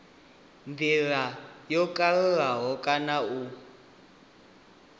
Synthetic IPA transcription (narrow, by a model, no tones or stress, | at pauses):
ndiɺajɔkʼalɛɺaɦɔkʼanau